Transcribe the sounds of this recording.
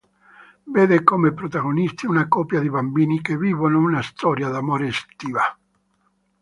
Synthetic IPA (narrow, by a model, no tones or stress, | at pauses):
veːd̪ekomepɾot̪aɣonist̪iunakɔpjad̪ibambiːnikeviːvonounast̪ɔːɾjad̪amoːɾest̪iːva